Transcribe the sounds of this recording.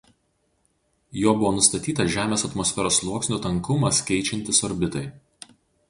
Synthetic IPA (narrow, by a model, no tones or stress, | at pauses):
joːbʊʋoːnʊst̪ɐt̪ʲiːt̪ɐʒʲæːmʲeːsɐt̪mɔsʲfʲɛɾoːslˠuɔksʲnʲuːt̪ɐŋkʊmɐskʲɛɪt͡ʃʲɛnʲt̪ʲɪsɔɾʲbʲɪt̪ɐɪ